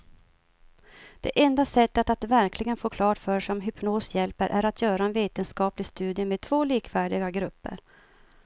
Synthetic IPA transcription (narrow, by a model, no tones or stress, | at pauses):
d̪̥ɛ̰ʔɛnd̪asɛt̪ːət̪at̪væɾklɪɡənfoːkʰlɑːʈfœʂɔmɦʏpnoːsjɛlpəɾʔæɾat̪ʰjœːɾaɛnveːt̪ənskɑːplɪɡst̪ʉ̟ːd̪jəmed̪̚t̪ʰvoːliːkʰvæːɖɪɡaɡɾɵpːə̰ɾ